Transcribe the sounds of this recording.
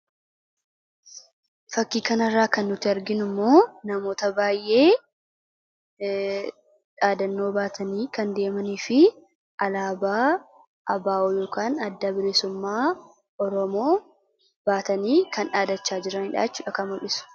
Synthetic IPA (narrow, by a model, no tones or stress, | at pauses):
fɐkːiːkɐnɐrːaːkɐnːʊt̪ɪɐɾɡɪnʊmːo̞ːnɐmo̞ːt̪ɐbaːjʔe̞ː | ᶑaːd̪ɐnːo̞ːbaːt̪ʰɐniːkɐnd̪e̞ːmɐniːfɪ | ʔɐlaːbaː | ʔɐbaːʔoːjo̞ːkaːnɐd̪ːabɪɾesʊmːaː | ɔɾɔmo̞ː | b̥aːt̪ɐniːkɐnᶑaːd̪ɐt͡ʃːaːd͡ʒɪɾɐnhɪᶑa̰ːt͡ʃːuːᶑɐkɐmʊlɪsʊ̥